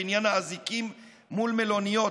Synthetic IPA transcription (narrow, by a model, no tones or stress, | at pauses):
injanhaːzikimː | ulmelo̞nijo